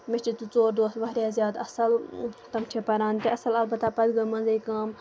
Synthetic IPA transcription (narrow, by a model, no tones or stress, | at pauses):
met͡ʃit̪ut͡soːɾd̪oːst̪ʋɐɦɾʲjaːzʲjaːd̪ɐsɐlt̪ɐmt͡ʃʰepɐɾãːnt̪iɐsɐlɐlbɐt̪aːpɐd̪ɡɐmɐnzɐikaːm